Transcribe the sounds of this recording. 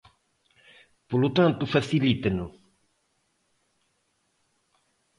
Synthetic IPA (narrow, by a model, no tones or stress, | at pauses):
polut̪ãnt̪ufɐsilit̪ɐnu